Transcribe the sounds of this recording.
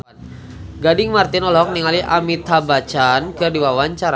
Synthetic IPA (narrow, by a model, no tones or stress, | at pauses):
ɡadɪŋmart̪inɔlɔk̚niŋaliʔamit̪abat͡ʃankɨrdiwawaɲt͡ʃaɾa